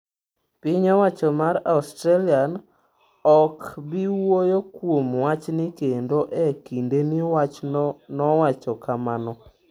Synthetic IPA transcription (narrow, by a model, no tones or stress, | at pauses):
pɪɲɔwat͡ʃɔmaɾaustɾalian | ɔkbiwojokwomwat͡ʃnɪkendoʔɛkindenɪwat͡ʃnɔwat͡ʃɔkamanɔ